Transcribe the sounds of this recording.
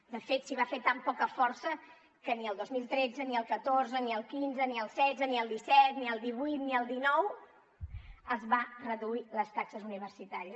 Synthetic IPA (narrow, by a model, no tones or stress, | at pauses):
d̪əfet̪siβafet̪ampɔkəfɔrsə | kəniəlˠd̪ozmilˠt̪ɾed͡zəniəlˠkət̪orzəniəlˠkinzəniəlˠsɛd͡zəniəlˠd̪isɛt̪niəlˠd̪iβuijt̪niəlˠd̪inɔw | əzβarəðuiləst̪aksəzuniβ̞ərsit̪aɾiə